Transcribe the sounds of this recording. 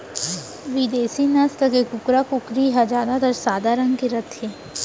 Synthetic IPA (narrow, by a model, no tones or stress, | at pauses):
ʋid̪eːsinɐst̪ɐkekʊkɾakʊkɾiɦad͡ʒaːd̪at̪ɐɾsaːd̪aɾɐ̃ŋɡkeɾɐt̪ʰeː